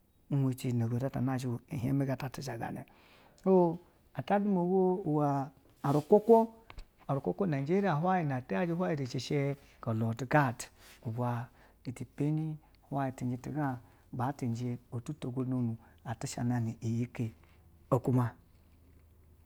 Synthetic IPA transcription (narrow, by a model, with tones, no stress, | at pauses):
u˦he˧t͡ʃi˨no˨ɡo˨da˦ta̰˨na˦˨ʃ̬i˦˨i˨ɦe˦me˦ɡa˨ta˦ti˦ʃa˨ɡa̰˨nḛ˨ | o˦ | a˨ta˦du˦mo˨˦wo˦u˨waː˨ | ɾu˨kʷo˦kʷo˦ | a˨ɾu˨kʷo˦kʷo˦na˨d͡ʒe˦ɾi˦a˨ɦʷwa˦ji˨na˨te˦a˦d͡ʒi˦hʷa˦ji˨ɾi˨t͡ʃe˨ʃe˦ | ko˨lo˨ti˨ɡa˦˨tu˨bʷa˨ | i˨ti˨pe˦ni˦˨ | hwa˦ji˨ti˨nd͡ʒe˧˨ti˨ɡa˦˨ | ba˨˦ti˨n˨d͡ʒe˧o˨tu˦to˨ɡo˧no˨nu˨a˨ti˦ʃa̰˨na˨ni˨i˨ji˦ke˨ | o˨ku˦ma˧